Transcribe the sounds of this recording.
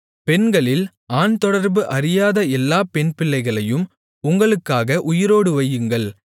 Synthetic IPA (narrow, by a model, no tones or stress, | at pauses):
pɛnɡɐɭɪl | aːnt̪ɔɽɐɾbɯʔɐɾɪjaːðɐɛlːaːpɛnpɪɭːɐɪɣɐɭɐjɯm | ʊŋɡɐɭɯkːaːɣɐʔʊjɪɾoːɽɯʋɐjɯŋɡɐɭ